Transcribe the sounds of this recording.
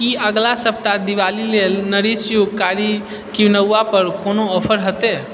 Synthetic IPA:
kiəɡlasəpt̪ad̪iʋalilelnəɾisjoɡkaɾi | kiʋnəwːapəɾkonoɔpʰəɾɦət̪e

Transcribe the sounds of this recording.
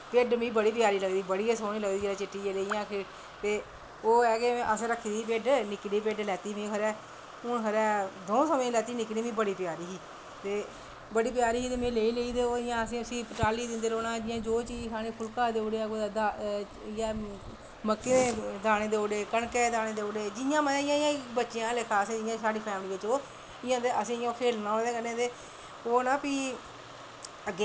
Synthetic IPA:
peːɖmĩːbəɽiːp̬ɪjaːɾiːləɡd̪iːbəɽiːesoːniːləɡd̪iːd͡ʒeːãːt͡ʃɪʈːiːeleijãːkʰe | t̪eː | oːɛːkeːəsɾəkʰːiːd̪iːpeːɖnɪkɽiːpeːɖlɛːt̪iːmĩːkʰəɾɛː | ʊɳkʰəɾɛːd̪oːsəmẽːlɛːt̪iːnɪkniːmĩːbəɽiːpɪjaːɾiːɦiː | t̪eː | bəɽiːpjaːɾiːiːt̪eːmẽːleːiːleiːd̪eːoːɪjãːəsĩːəsĩːpəʈaːliːd̪ɪnd̪eːɾoːnãːd͡ʒɪãːd͡ʒoːt͡ʃisaːɽẽːpʰʊlkaːd̪eːoɽeːaɡoːd̪aː | jãː | məkːeːeːd̪aːɽ̃eːd̪eːoːɽeːkəɳkeːd̪aːneːd̪eːoɽeːd͡ʒɪjãːməaːɪjãːɪjãːbətːʃɪjãːlekʰaːsẽːd͡ʒɪjãsaːɖiːpʰɛːmɽiːʋɪt͡ʃoː | ɪjãːd̪eəsĩːjõːkʰeːlnãːõd̪eːkənẽːd̪eː | oːnaːpiː | əɡ

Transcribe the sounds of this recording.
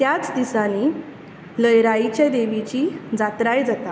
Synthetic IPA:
t̪jat͡sd̪isani | ləjɾait͡ɕad̪eʋit͡ɕiːd͡zat̪ɾajd͡zat̪a

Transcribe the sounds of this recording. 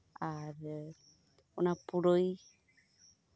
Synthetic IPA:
aɾe | onapuɾoj

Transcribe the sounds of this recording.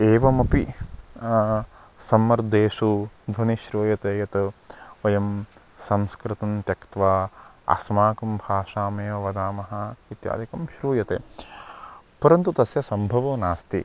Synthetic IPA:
eːʋɐmɐpi | sɐmːɐɾd̪eːʃud̪ʱʋɐniʃɾuːjɐt̪eːjɐt̪ɐʋɐjɐm | sɐmskɾɨt̪ɐnt̪jɐkt̪ʋaː | ɐ̰smaːkɐmbʱaːʂaːmɐjɐʋɐd̪aːmɐɦɐ̆it̪ja̰ːd̪ʱikɐmʃɾuːjɐt̪ḛː | pɐɾɐnt̪ut̪ɐsjɐsɐmbʱɐʋɐːnaːst̪i

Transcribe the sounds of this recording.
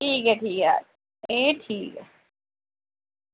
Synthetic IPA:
ʈʰiːkɛʈʰiːka̰ː | eːʈʰiːkɛ

